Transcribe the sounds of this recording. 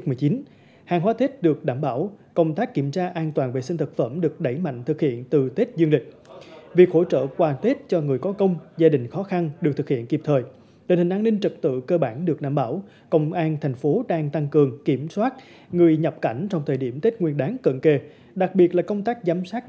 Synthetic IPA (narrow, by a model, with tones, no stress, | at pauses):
mɨ˨˩t͡ɕi˨˦n | haː˨˩ŋɦwaː˨˦t̪ʰe˦˥t̚ɗɨ˨˩ək̚ɗaː˧˩mɓaː˧˩wkə˧wŋ͡mt̪aː˦˥kːi˧˩əmt͡ɕaː˧ʔaː˧nt̪waː˨˩nve˨˩si˧n̟t̪ʰɨ˨˩k̚fə˧˩mɗɨ˨˩ək̚ɗə˧˩jma̰˧˨jŋ̟t̪ʰɨ˨˩k̚hḭ˧˨ənt̪ɨ˨˩t̪ʰe˦˥t̚zɨ˧əŋlï˨˩k̟̚vi˨˩ək̚ho̰˧˥˩t͡ɕə̰ː˧˨kwaː˨˩t̪ʰe˦˥t̚t͡ɕɔ˧ŋɨ˨˩əjkɔ˨˦kə˧wŋ͡mzaː˧ɗï˨˩ŋ̟xɔ˨˦xa˧nɗɨ˨˩k̚t̪ʰɨ˨˩khḭ˧˨ənki˨˩p̚t̪ʰəː˨˩j | ɗe˨nhi˨˩ŋ̟ʔaː˧nːï˧ŋ̟t͡ɕə˨˩t̚t̪ɨ̰˧˨kəː˧ɓaː˧˩nɗɨ˨˩ək̚ɗa̰ː˧˩mɓa̰ː˧˩w | kə˧wŋ͡mʔaː˧nt̪ʰa˨˩jŋ̟fo˨˦ɗaː˧ŋt̪a˧ŋkɨ˨˩əŋki˧˩əmswaː˦˥t̚ | ŋɨ˨˩əjɲə˨˩p̚ka˧˩jŋ̟t͡ɕɔ˧wŋ͡mt̪ʰəː˨˩jɗi˧˩əmt̪ʰe˦˥t̚ŋwi˧ənɗaː˨˦nkə̰˧˨nke˧˩ | ɗa˨˩k̚ɓi˨˩ət̚laː˨˩kə˧wŋ͡mt̪aː˦˥k̚zaː˨˦msaː˦˥t̚